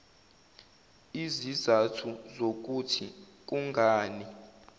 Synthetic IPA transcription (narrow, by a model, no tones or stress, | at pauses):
izizatʰuzok̬utʰi | k̬uŋɡʱaːni